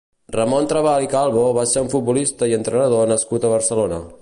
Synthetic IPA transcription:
rəmont̪ɾəβalikalˠβoβaseuɱfut̪̚bulist̪əiənt̪ɾənəðonəskut̪əβ̞əɾsəlonə̰

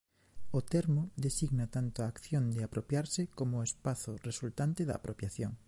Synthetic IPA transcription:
ot̪ɛɾmoðesiɣnat̪ant̪oaːkθjond̪eapɾopjaɾsɪkomoespaθʊresult̪ant̪eða̰ːpɾopjaθjoŋ

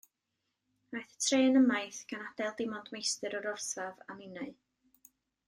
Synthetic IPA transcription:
ajθə̥tʰreːnəmajθɡ̥anad̥ɛlˠdɪmɔdmejstɨɾɔɾɔrsvava̰mɪnaɨ

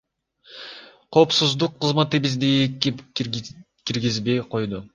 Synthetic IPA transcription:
qʰo̞ːpsuzd̪uqʰːɯzmat̪ɨbizd̪iei | kiɾɡʲizbejqʰo̞jd̪ʊ

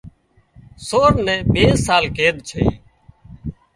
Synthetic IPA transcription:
soːɾnɛ̃ːɓeːsaːlkeːd̪t͡ʃʰḛː

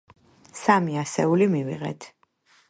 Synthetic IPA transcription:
samiasɛulimivḭʁɛ̰t̪ʰ

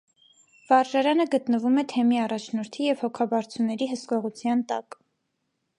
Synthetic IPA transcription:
v̥ɑɾʒɑɾɑnəɡət̪nəvumɛt̪ʰɛmiɑrɑt͡ʃʰnɔɾt̪ʰijɛvhɔkʰɑbɑɾt͡sʰunːɛɾiɦəskɔʁut͡sʰjɑnt̪ɑ̰k

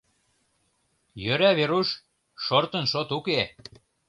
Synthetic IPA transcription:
jøɾæβeɾuʃ | ʃort̪ə̆nʃot̪uke

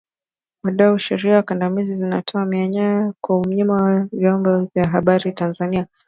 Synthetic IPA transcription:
waɗauʃɛɾiawakandamizizina̰tʰɔamiaɲajakwaum̩ɲimawavjɔmbɔvjaɦaɓaɾitanzania

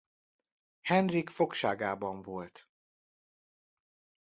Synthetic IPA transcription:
hɛnrikfo̞kʃaːɡaːbɒɱvo̞lt̪

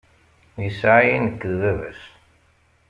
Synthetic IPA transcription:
isaʕjinəkːəðvævæ̰s

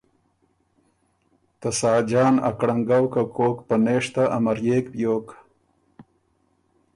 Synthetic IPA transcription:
t̪ɐsaːd͡ʒaːnɐ̰kɽɐŋɡawkakoːkpɐneːʂt̪aʔɐmɐɾjeːkbjoːk

